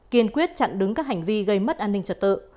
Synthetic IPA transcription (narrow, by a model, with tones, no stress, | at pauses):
ki˧ənkwi˦˥ət̚t͡ɕa̰˧˨nɗɨ˨˦ŋkaː˦˥k̚ha˨˩jŋ̟vi˧ɣə˧jmə˦˥t̚ʔaː˧nːï˧ŋ̟t͡ɕə˨˧˩t̚t̪ɨ̰˧˨